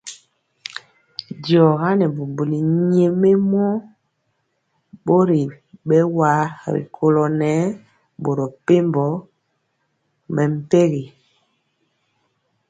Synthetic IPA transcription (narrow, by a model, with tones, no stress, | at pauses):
djɔ˨ɣa˦nɛ˨bu˨mbu˨li˨ɲe˨me˦mɔ˦ | ɓo˦ɾi˨ | ɓɛ˦wa˨˦ɾḭ˨kʰo˨lɔ˨nɛ˨˦ | ɓo˨ɾɔ˨pe˦mbɔ˨˦ | mɛ˨m̩˦˨pe˦ɣi˨